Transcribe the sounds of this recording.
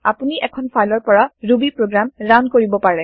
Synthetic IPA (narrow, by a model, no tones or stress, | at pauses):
apuniʔɛkʰɔnpʰajlɔɹpɔɹaɹubipɹoɡɹamɹankoɹibɔpaɹɛ